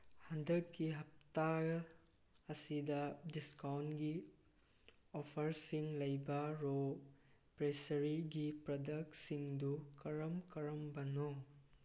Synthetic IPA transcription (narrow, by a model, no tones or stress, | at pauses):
hɐndɐkːiɦɐp̚ta | ɐsidɐdiskawnɡi | opʰɐɾsiŋlɐjbɐɾo | pɾesɐɾiɡipɾɐdɐk̚siŋdukɐɾɐmkɐɾɐmbɐno